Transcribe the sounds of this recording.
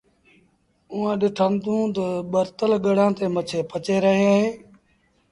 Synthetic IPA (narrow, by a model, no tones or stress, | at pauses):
ʊːãːɗɪʈʰənd̪ũːt̪əɓəɾt̪əlɡəɽãːt̪eːmət͡ʃʰeːpət͡ʃeːɾəɦeːɦeː